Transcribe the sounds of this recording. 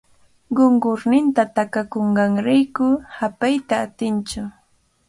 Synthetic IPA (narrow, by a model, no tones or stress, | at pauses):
ɢoɴɢʊɾnɪnt̪at̪akakoɴɢɑŋɾajkʊhapajt̪aːt̪ɪnt͡ʃʊ